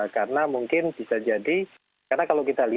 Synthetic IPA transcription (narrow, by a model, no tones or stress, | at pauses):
karənamuŋkɪnb̥isad͡ʒadi | karnakalokit̪ali